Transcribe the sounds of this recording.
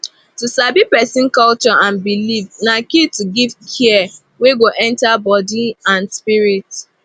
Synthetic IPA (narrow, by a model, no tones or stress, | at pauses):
tusabipɛsɪ̃nkɔlt͡ʃɔʔãnbilifnakituɡivkʰɛɛ | weɡoʔɛ̃ntabɔdiãnspiɾit